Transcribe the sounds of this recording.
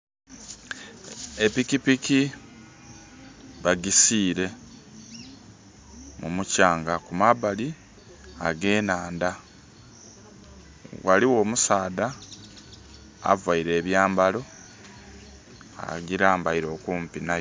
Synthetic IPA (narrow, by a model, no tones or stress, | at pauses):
epikipiki | βaɡisiːɾe̞ | mumucaːŋɡakumaβali | aɡe̞ːnaːnda | waliwo̞ːmusaːda | a̰vaiɾe̞ːβjaːmbalo̞ | a̰ɟiɾaːmbaiɾo̞ːkuːmpina